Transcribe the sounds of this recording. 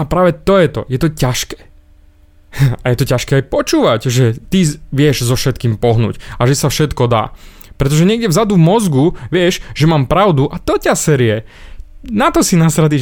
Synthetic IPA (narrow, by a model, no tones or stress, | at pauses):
apɾaːʋɛt̪ɔjɛt̪ɔ̰jɛt̪ɔcaʃkɛ̥ː | ajɛt̪ɔcaʃkɛːajpɔt͡ʃuːʋaɟʒɛt̪iʋɪɛʒzɔfʃɛt̪kiːmpɔɦnṵːcaʒɛsafʃɛt̪kɔd̪a̰ː | pɾɛt̪ɔʒɛɲɪɛɡɟɛvzad̪uvmɔzɡuʋɪɛʃʒɛmaːmpɾaʊd̪uʔat̪ɔcasɛɾɪɛ | nat̪ɔsinasɾad̪i